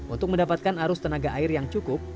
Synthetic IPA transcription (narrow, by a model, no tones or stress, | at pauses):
ṵnt̪ʊk̚məndapat̪̚kanaɾʊst̪ənaɡaʔaɪrjaŋt͡ʃukʊp̚